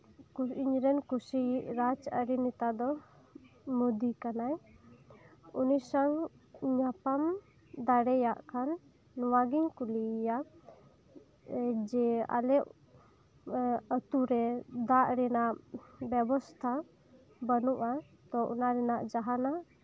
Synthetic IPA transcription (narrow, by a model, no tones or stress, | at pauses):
kuiɲɾɛnkusijʔɾad͡ʒəɾinit̪ad̪ɔ | mud̪ikanaj | unisaŋ | ɲapam | d̪aɽɛjaʔkʰanː | ɔwaɡiŋkulija | d͡ʒɛa̰lɛʔ | ət̪uɾɛd̪aʔɾɛnaʔbɛbɔst̪ʰa | bənuʔa | t̪ɔʔṵnaɾɛnaʔd͡ʒaɦana